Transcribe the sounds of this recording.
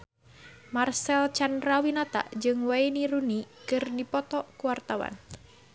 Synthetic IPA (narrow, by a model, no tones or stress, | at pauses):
marsɛlt͡ʃanrawinat̪a̰d͡ʒɨŋwainiɾunikɨrdipɔt̪ɔkuwart̪awa̰n